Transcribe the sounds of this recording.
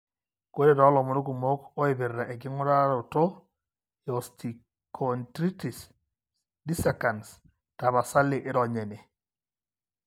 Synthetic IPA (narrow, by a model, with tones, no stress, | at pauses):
ko˦ɾe˦ɾɔ˨˦lɔ˨mɔ˦ɾo˦k̬u˨mo˦ko˦e˨be˨rːa˨ʔɛ˨kɪ˦ŋʊ˦ɾa˦ɾo˨to˦ | jɔ˨sti˨ | kʰɔntɾi˦ti˨s | di˦sa˨ka˨ns | ta˨βa˨sa˦le˨ʔɪ˦ɾɔ˨ɲɛ˨ne˨